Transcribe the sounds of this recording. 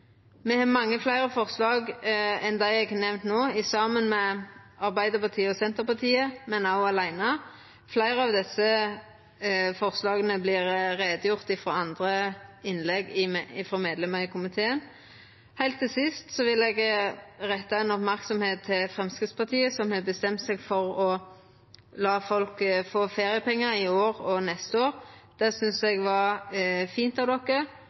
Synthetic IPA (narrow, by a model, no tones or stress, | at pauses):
mɛhɑmɑŋːəflæɪʁəfɔʁslɑːɡɛnd̪æɪɛɡɛnɛʋnt̪noːɪsɑmənmɛ | ɑʁbæɪd̪əpɑt̪ʰiːəɔsɛnt̪əʁpɑt̪ʰiːəmɛnaʊɑlæɪnɑ | flæɪɾəɑʋd̪ɛsːə | fɔʁslɑːɡənəblɪʁʁeːd̪əjʊʁt̪ɪfɾoːɑnd̪ʁəɪnlɛɡɪɪfʁɔmeːd̪lɛməʁɪːkʰʊmɪt̪ʰeːən | hæɪlt̪ʰːɪlsɪst̪sɔʋɪlɛɡʁɛt̪ːɑɛnɔpmæʁksɔmheːt̪ʰːɪlfʁɛmskɪt̪spɑt̪ʰiːəsɔmhɛbəst̪ɛmt̪sɛɡfɔʁɔ | lɑːfɔlkfoːfeːʁɪəpɛŋːəɾɪoːɾɔnɛst̪əoːɾd̪̥ɛsʏnsɛɡʋɑʁfiːnt̪ɑʋd̪ɔkːə